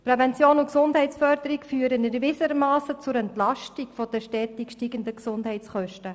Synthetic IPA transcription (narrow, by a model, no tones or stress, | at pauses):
pɾɛvɛnt͡sjoːnʊksʊnd̥ɦɛɪtt͡sfœɾd̪əɾikfyːəɾənɡevɪsəɾmaːsət͡sʊɾɛntlɑʃtikfɔd̥ɛʃtɛːtikʃtiːɡəndəksʊndhɛɪt͡sχœʃtə